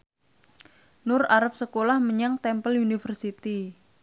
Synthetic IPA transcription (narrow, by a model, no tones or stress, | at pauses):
nʊraɾap̚səkolahməɲaŋt̪ɛmpəlunifərsit̪i